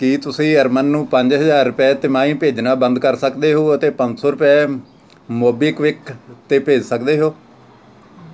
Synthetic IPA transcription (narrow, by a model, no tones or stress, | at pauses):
kiːt̪ʊsĩːəɾmənːũːpəɲd͡ʒɦəzaːɾːʊpɛːt̪ɪmaːĩːpeːd͡ʒnaːbənd̪kəɾsəkd̪eːɦoːət̪eːpə̃ɲd͡ʒsoːɾʊpɛː | moːbɪːkʋɪkt̪eːpeːd͡ʒsəkd̪eːɦoː